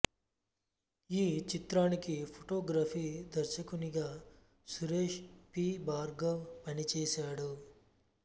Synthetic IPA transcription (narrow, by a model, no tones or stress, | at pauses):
iːt͡ʃit̪ɾaːnikipʰoʈoːɡɾaːpʰiːd̪ɐɾʃɐkuniɡaː | suɾeːʃpiːbaːɾɡɐʋpɐnit͡ʃɛːʃaːɽu